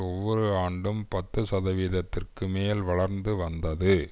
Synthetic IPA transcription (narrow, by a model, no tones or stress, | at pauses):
ɔʋːɔɾɯaːɳɖɯmpɐt̪ːɯsɐðɐʋiːðɐt̪ːɪrkɯmeːlʋɐɭɐɾnd̪ɯʋɐnd̪ɐðɯ